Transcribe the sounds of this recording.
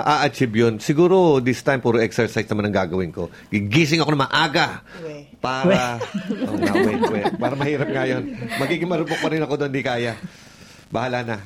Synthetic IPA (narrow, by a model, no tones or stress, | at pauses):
ʔaʔɐt͡ʃɪbjonsɪɡuːɾo̞d̪ɪst̪ajmpuːɾoʔɛksɛɹsajsnɐmanɐŋɡaːɡɐwɪnko̞ | ɡɪɡiːs̬ɪŋɐkonɐmɐʔaːɡɐ | paːɾɐʔoŋaɛwɛpaːɾɐmɐhiːɾɐp̚ŋajo̞nmɐɡiːɡɪŋmɐɾʊbok̚pɐɾɪnɐko̞d̪oond̪ikaːja | bɐhalanɐ